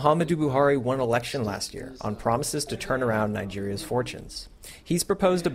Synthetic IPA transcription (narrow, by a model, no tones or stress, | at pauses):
ɦɑmɨdʉbuɦɑɹiwʌ̃nəlɛkʃɨ̃nlæ̰st̚jɪ̰ɹʔə̰̃npʰɹ̥ɑməsɨz̥tʰɨtʰɜ̃˞nə˞ãʊ̃nːaɪd͡ʒɪɹiɨz̥fɔɹt͡ʃɨ̰̃nz̥ | hiz̥pɹ̥ɨpʰoʊzdɨ